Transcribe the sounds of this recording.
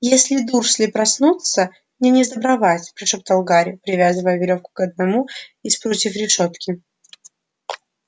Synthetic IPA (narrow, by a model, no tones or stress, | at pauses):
jesʲlʲɪd̪ursʲlʲɪpɾɐsnut̪sə | nʲɪnʲɪzd̪əbɾɐvatʲpɾʲɪʂop̚t̪ɐlˠɡaɾʲɪʊpɾʲɪvʲazɨvəjəvʲɪlʲo̞fkʊ̥kɐd̪̚nɐmuispɾot̪ʲifɾʲɪʂo̞t̪kʲɪ